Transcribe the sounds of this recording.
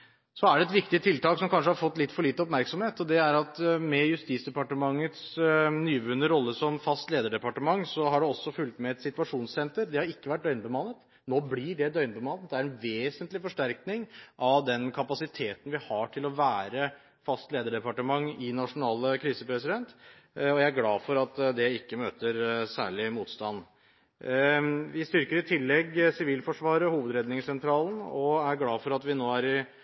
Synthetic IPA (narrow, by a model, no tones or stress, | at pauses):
sɔæɖɛt̪ʋɪkt̪ɪət̪ʰɪlt̪ɑːksɔmkɑnʂəhɑɾfɔt̪ːlɪt̪ːfɔɭiːt̪əɔpmæɾksɔmheːt̪ɔd̪ɛæɾɑt̪mɛjʉst̪iːt̪sd̪ɛpɑʈəmɑŋːət̪snyːʋʉːnːəɾɔlːəsɔmfɑst̪leːd̪əɖɛpɑʈəmɑŋːsɔɦɑɖɛɔsːɔfʉlt̪mɛɛt̪sɪt̪ʋɑʂuːnssɛnt̪əɾd̪ɛhɑɾɪkːəʋæʈ̚d̪œʏnbəmɑnːət̪ | noːblɪɖɛd̪œʏnbəmɑnːət̪d̪ɛæɾɛnʋeːsənt̪lɪfɔʂʈæɾknɪŋʔɑʋd̪ɛnkʰɑpɑsɪt̪ʰeːt̪n̩ʋɪhɑʈʰɪlɔʋæːɾə | fɑst̪leːd̪əɖɛpɑʈəmɑŋːɪnɑʂʊnɑːləkʰɾiːsəpʰɾɛsɪd̪ɛnt̪ | ɔjæɪæɾɡlɑːfɔɾɑt̪d̪ɛɪkːəmøːt̪əɾsæ̰ːɭɪmuːt̪st̪ɑnː | ʋɪst̪ʏɾkəɾɪt̪ʰɪlːɛɡsɪʋiːlfɔʂʋɑːɾəhuːʋəd̪ɾɛd̪nɪŋsɛnt̪ʰɾɑːln̩ɔæɾɡlɑːfɔɾɑt̪ʋɪnoːæɾɪ